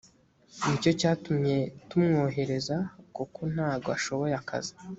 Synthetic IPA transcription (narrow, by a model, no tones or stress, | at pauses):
nico̞caːtumɲe̞tumŋo̞ːɦe̞ɾe̞zakuko̞n̥haːɡoaʃo̞βo̞jeaka̰zi̥